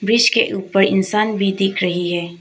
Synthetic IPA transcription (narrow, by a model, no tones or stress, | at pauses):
bɾɪʃkḛʔuːpəɾɪ̰nsaːnbʱid̪ɪkʰɾɐɦiɦɛː